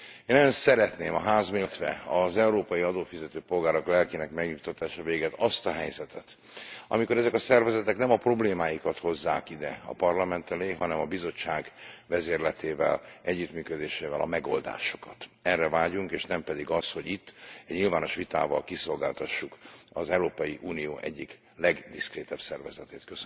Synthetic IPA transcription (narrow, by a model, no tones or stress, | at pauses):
eːnɔjonsɛɾɛt̪neːmɒɦaːzmeːt̪ʋɛ̰ɒzɛuɾoːpɒjiɒd̪oːfizɛt̪øːpo̞lɡaːɾoklɛlkinɛkmɛɡɲut̪ːɒt̪aːʃɒveːɡɛt̪ɒst̪ɒɦɛjzɛt̪ɛt̪ | ɒ̰miko̞ɾɛzɛkɒsɛrvɛzɛt̪ɛknɛmɒpro̞bleːmaːjikɒt̪ho̞zːa̰ːkid̪ɛɒ̰pɒrlɒmɛnt̪ɛleːɦɒnɛmɒbizo̞t͡ʃːaːɡvɛzeːrlɛt̪eːvɛ̰lɛɟːyt̪myːkød̪eːʃeːvɛlɒ̰mɛɡo̞ld̪a̰ːʃo̞̥kɒt̪ɛrːɛvaːɟuŋkeːʃnɛmpɛd̪iɡɒsho̞ɟit̪ːɛɟɲilvaːno̞ʃʋit̪a̰ːvɒ̰lkiso̞lɡaːlt̪ɒʃːukɒzɛwɾoːpɒjiʔuːnijoːʔɛɟːik | lɛɡd̪iskreːt̪ɛbsɛrvɛzɛt̪eːt̪køs